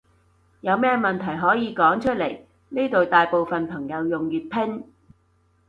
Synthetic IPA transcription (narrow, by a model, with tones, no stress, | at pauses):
jɐ˨˧wmɛː˥mɐ˨nt̪ʰɐ˨˩jɦɔː˨˥jiː˨˧kɔː˨˥ŋt͡ʃʰɵ˥t̚le˨˩j | niː˥t̪o˨wt̪aː˨jpo˨˧wfɐ˨npʰɐ˨˩ŋjɐ˨˧wjʊ˨ŋjyː˨t̚pʰɪ˥ŋ